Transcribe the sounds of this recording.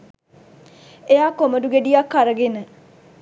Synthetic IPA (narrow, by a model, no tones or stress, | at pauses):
ejaːkoməduɡeɖijakːaɾəɡenə